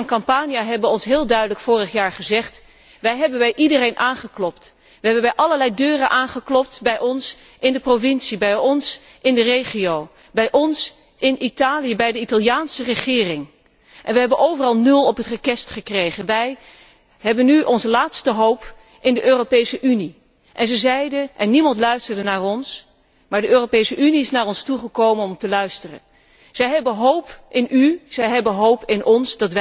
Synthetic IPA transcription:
ɑnkɑmpaːnjaɦɛbəʋəɔnsɦɪːlˠdœɥdələkfʊːrəχjaːɹχəzɛχt | ʋɛjɦɛbənʋɛjʔidərejnʔaːnχəklɔpt | ʋəɦɛbənbɛjʔɑləɹlɛjdøːrənʔaːnχəklɔp̚tbɛjɔns | ʔɪndəprovɪnsibɛjɔns | ʔɪndərejχiow | bɛjʔɔns | ʔɪnʔitaːlijəbɛjdəitɑlˠjaːnsərəχɪːrɪŋ | ʔɛnʋəɦɛbənowvərɑlˠnɵlˠɔpɦətrəkɛstχəkrejχənʋɛj | ɦɛbənːyʔɔnzəlaːtstəɦowp | ʔɪndəʔøːropejsəʔyni | ʔɛnzəzɛjdənʔɛnːimɑntlœɥstəɹdənaːrɔns | maːɹdəøːropejsəʔyniɪsnaːɹɔnstuχəkowmənɔmtəlœɥstərə̰n | z̥ɛjɦɛbəɦowpʔɪnyz̥ɛjɦɛbənɦowpɪnʔɔnsdɑtʋ

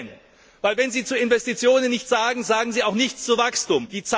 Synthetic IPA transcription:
n | vaɪlvɛnziːt͡suːɪnvɛstit͡sjoːnənːɪçtz̥aːɡŋ̩zaːɡŋ̩ziːaʊxnɪçt͡st͡suvakstuːmd̥iːt͡sa

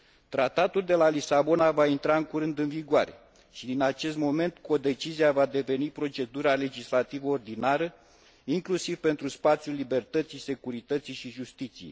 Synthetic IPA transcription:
t̪ɾat̪at̪uld̪e̞lalisabo̞navaint̪ɾaɨŋkuɾɨnd̪ɨnviɡʊaɾe̞̰ | ʃid̪inat͡ʃe̞st̪mo̞me̞nt̪ko̞d̪e̞t͡ʃiziavad̪e̞ve̞nipɾo̞t͡ʃe̞d̪uɾale̞d͡ʒislat̪ivəord̪inaɾə | iŋklusivpe̞nt̪ɾuspat̪sʲjulːibe̞rt̪ət̪sijse̞kuɾit̪ət̪sijʃiʒust̪it̪sijej

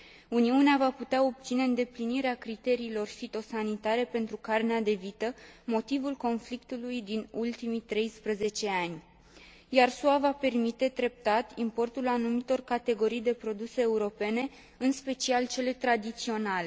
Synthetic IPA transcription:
uniuneavaput̪eao̞b̚t̪sine̞ɨnd̪e̞pliniɾeakɾit̪e̞ɾiːlo̞rfit̪o̞sanit̪aɾe̞pe̞nt̪ɾukarnead̪e̞vit̪əmo̞t̪ivulko̞nflikt̪ulujd̪inult̪imit̪ɾe̞jspɾəze̞t͡ʃe̞anʲ | jarsuavape̞rmit̪e̞d̪ɾe̞p̚t̪at̪impo̞rt̪ulanumit̪o̞rkat̪e̞ɡo̞ɾijd̪e̞pɾo̞d̪use̞ːuɾo̞pe̞ne̞ | ɨnspe̞t͡ʃialt͡ʃe̞le̞t̪ɾad̪it̪sio̞nale

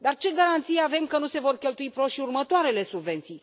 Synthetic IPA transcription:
d̪art͡ʃe̞ɡaɾant̪sijeave̞mkənuse̞vo̞rkʲe̞lt̪uipɾo̞ʃiurmət̪oaɾe̞le̞subve̞nt̪sij

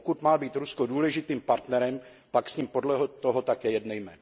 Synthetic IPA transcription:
kut̪maːbiːt̪ɾuskoduːlɛʒɪt̪iːmpaɾt̪nɛɾɛm | paksɲiːmpodlɛɦot̪oɦot̪akjɛjɛdnɛjmɛːno

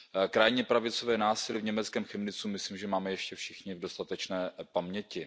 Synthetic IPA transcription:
kɾajɲɛpɾavɪt͡so̞vɛːnaːsɪlɪvɲɛmɛt͡skɛːmxɛmnɪt͡sumɪslimʒɛmaːmɛjɛʃcɛfʃɪxɲɪvdo̞st̪at̪ɛt͡ʃnɛːpamɲɛcɪ

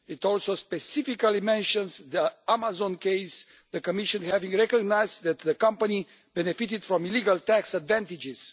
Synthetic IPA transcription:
it̪ɔlsospesifikalimɛ̃nʃə̃nzðəamazɔ̃nkeɪs | ðəkomiʃɔ̃nhɛvĩŋɹɛkoɡnajzðɛt̪ðəkʌ̃mpani | bɛnefit̪id̪̥fɾɔ̃miliɡalt̪æksad̪væ̃nt̪id͡ʒiz̥

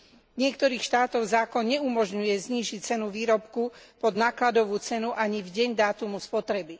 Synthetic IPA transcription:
ɲɪɛkt̪ɔɾiːxʃt̪aːt̪ɔʊzaːkɔnɲɛumɔʒɲujɛzɲiːʒic̚t͡sɛnuʋiːɾɔpkupɔd̪naːklad̪ɔʋuːt͡sɛnuʔaɲivɟɛɲd̪aːt̪umuspɔt̪ɾɛbi

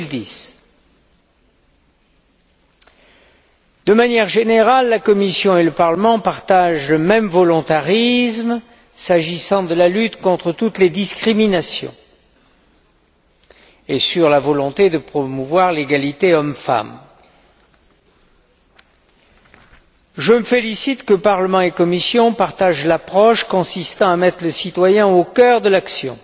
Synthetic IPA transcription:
ld̪is | d̪əmanjɛʁʒeneʁalːakɔmisjɔ̃eləpaʁləmɑ̃paʁt̪aʒləmɛmvɔlɔ̃t̪aʁizm | saʒisɑ̃d̪əlalyt̪kɔ̃t̪χət̪ut̪led̪iskχiminasjɔ̰̃ | esyʁlavɔlɔ̃t̪ed̪əpχɔmuvwaʁleɡalit̪eɔmfa̰m | ʒəməfelisit̪kəpaʁləmɑ̃ekɔmisjɔ̃paʁt̪aʒlapχɔʃkɔ̃sist̪ɑ̃amɛt̪χləsit̪wajɛ̃okʲœʁd̪əlaksjɔ̰̃

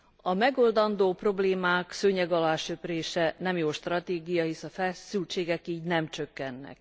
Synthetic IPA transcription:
ɒmɛɡo̞ld̪ɒnd̪oːpro̞bleːmaːksøɲɛɡɒlaːʃøpreːʃɛnɛmjoːlʃt̪rɒt̪eːɡijɒɦisɒfɛlsylt͡ʃeːɡɛkiːɟnɛmt͡ʃø̞kːɛnːɛ̰k

